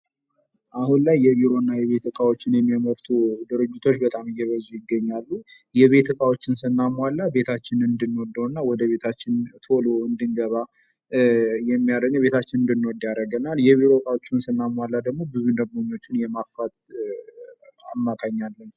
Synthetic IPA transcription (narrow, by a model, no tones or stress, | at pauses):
ʔahunlajːɛβiɾo̞nːajɛβe̞t̪ʰɨkʼawo̞t͡ʃːɪnjɛmːijaməɾt̪ʰud̪ɨɾɨd͡ʒːɪt̪ʰo̞t͡ʃːbət̪ʼamɨjːɛβəzujɪɡːəɲːalːu | jɛβe̞t̪ʰɨkʼawot͡ʃːɪnsɨnːamwalːabe̞t̪ʰat͡ʃːɪnɨnd̪ɨnːwɔd̪ːəwnːawɔd̪əβe̞t̪ʰat͡ʃːɪnt̪ʰo̞lo̞ɨnd̪ɨŋɡəβa | jɛmːijad̪əɲːəβe̞t̪ʰat͡ʃːɪnɨnd̪ɨnːwɔd̪jaɾəɡənaljɛβiɾo̞kʼawot͡ʃːɪnsɨnːamwalːad̪əɡmo̞bɨzund̪əɡmoɲːo̞t͡ʃːɪnjɛmafat̪ | amːak̪ʰaɲːalːən